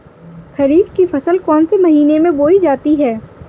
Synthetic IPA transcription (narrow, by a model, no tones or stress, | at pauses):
xɐɾiːfkifɐsəlkɔːnsemɐɦiːnemẽboːid͡ʒaːt̪iɦɛː